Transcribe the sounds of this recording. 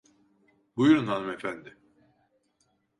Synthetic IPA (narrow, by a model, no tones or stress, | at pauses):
bujuɾunɦanɯmefænd̪ɪ